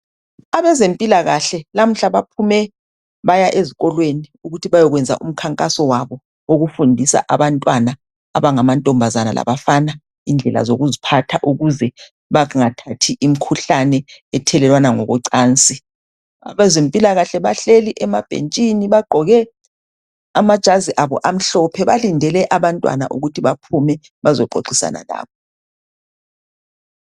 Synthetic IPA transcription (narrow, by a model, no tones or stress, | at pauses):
aβɛzempʼilaɣaɬɛlam̩ɬaβapʰumɛ | βajaʔeziɣɔlweniuɣutʰiβajɔɣwɛnd͡zʱa̰ʔum̩kʰaŋkʼasɔwaβɔ | woɣufundʱisa̰ʔaβantʼwanaː | βaŋamantʼɔmbʱazana̰la̰βafana | ind͡ɮʱɛla̰zoɣuzipʰatʰaʔuɣuzɛ | βaŋatʰatʰiʔim̩kʰuɬanɛɛtʰɛlɛlwanaŋɔ̰ɣɔǀaːnt͡sʼi | a̰βɛzempʼilaɣaɬɛβaɬeliʔɛmab̥ʱḛnt͡ʃʼiniβaɡ͡ǃʱɔɣɛ | amad̥ʒ̥ʱaziʔaβɔ̰ʔam̩ɬɔpʰɛβalindʱɛlɛʔaβantʼwa̰na̰ʔuɣutʰiβapʰumɛ | βazɔǃʱo̰ǀisa̰na̰la̰ːβɔ